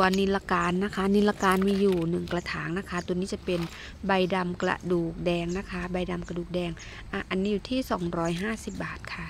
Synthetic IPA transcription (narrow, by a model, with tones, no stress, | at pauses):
u˧əni˧la˧kaː˧nːa˦˥kʰa˦˥niː˧la˧kaː˧nmiː˧juː˨˩nɯ˨˩ŋkla˧t̪ʰaː˩˦ŋna˦˥kʰa˦˥t̪u˧niː˦˥t͡ɕa˨˩pe˧n | ba˧jda˧mkla̰˨˧duː˨˩k̚dɛː˧ŋna˦˥kʰa˦˥ba˧jda˧mka˧duː˨˩k̚dɛː˧ŋ | ʔaː˧˩ʔa˧nːiː˦˥juː˨˩t̪ʰiː˥˩sɔː˩˦ŋɾɔː˦˥jɦaː˥˩si˨˩p̚baː˨˩t̪̚kʰa˥˩